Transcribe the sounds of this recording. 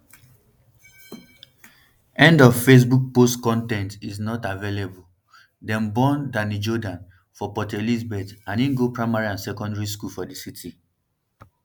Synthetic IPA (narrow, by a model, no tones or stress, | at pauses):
ɛ̃ndɔvfes̬buk̚postkɔ̃ntɛ̃ntiznɔtavelebul | dɛ̃mbɔ̃ndãnid͡ʒɔdãn | fɔpɔtelizbɛtãninɡopɹaɪmaɹiãnsɛkɔ̃ndɹis̬kulfɔdisitʰi